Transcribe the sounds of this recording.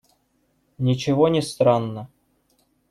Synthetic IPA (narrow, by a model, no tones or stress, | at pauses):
nʲɪt͡ɕɪvonʲɪst̪ɾɑnːə